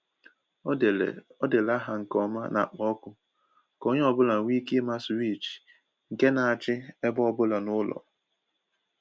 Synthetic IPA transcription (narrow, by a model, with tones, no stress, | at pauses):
ɔ˦dɪ˨la˦ɦa˨ŋ̩˨kɔ˦ma̰˦na̰˨k͡pɔ˦kʊ˦ | ko˦ɲe˦ɔ˦bʊ˦la˨ŋʷi˦ki˦ma˦swi˦˨t͡ʃ | ŋ̩˨ke˦na˨a˨t͡ʃɪ˦e˦bɔ˦bʊ˦la˨nʊ˦lɔ̰˨